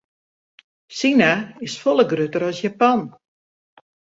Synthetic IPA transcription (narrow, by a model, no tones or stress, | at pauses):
sinaɪsfolˠəɡrøtəɾɔsjapɔn